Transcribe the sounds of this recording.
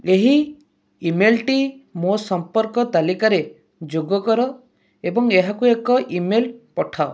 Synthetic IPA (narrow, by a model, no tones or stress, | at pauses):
eɦi | imelʈimosɔmpɔɾkɔt̪alikaɾe | d͡ʒoɡɔkɔɾɔ | ebɔŋeɦakuekɔʔimelpɔʈʰao